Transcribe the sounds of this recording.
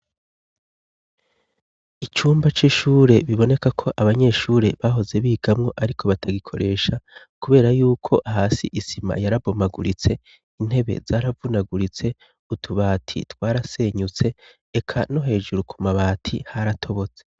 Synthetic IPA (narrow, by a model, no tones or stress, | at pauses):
it͡ʃuːmbat͡ʃiʃuːɾe̞βiβone̞kakʰo̞ʔaβaɲe̞ʃuːɾe̞βaɦo̞ze̞βiːɡ̥amŋo̞ʔaɾikʰo̞βatʰaɡikʰo̞̰ɾʔe̞ːʃa | kuβe̞ːɾajuːkʰo̞ʔaɦaːsḭʔisima̰jaɾabomaɡṵɾit͡se̞ | in̥e̞βe̞̰zaːɾavunaɡuɾit͡se̞ | utʰuβaːtʰḭtwaːɾase̞ːɲut͡se̞ː | kʰano̞ɦe̞ːʒuɾukʰumaβaːtʰihaɾatʰo̞βo̞t͡se̥